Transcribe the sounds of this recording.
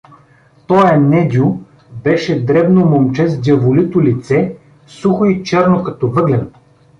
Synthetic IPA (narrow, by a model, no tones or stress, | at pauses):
t̪ɔjɛnɛd̪ʲʊ | bɛʃɛd̪ɾɛbnomomt͡ʃɛzd̪ʲjɐvolit̪ʊlit̪sɛ | suxoit͡ʃɛɾnokɐt̪ɔvɤd̪lɛn